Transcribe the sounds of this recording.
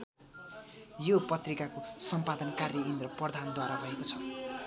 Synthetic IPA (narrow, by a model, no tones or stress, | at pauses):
jopʌt̪rikakosʌmpad̪ʌnkarjʌind̪rʌprʌd̪ʱand̪waɾabʱʌekot͡sʰʌ̥